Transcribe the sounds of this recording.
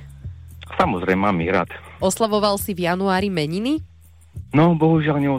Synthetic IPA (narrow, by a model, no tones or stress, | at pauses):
samɔzɾɛɪmaːmiɣɾa̰t̪ɔslaʋɔʋalsivjanuaːɾimɛɲini | nɔbɔɦuʒɪalɲɛɔ